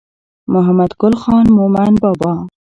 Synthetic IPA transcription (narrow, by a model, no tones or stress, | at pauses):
mʊɦamad̪ɡʊlxɑnmʊmanbɑbɑ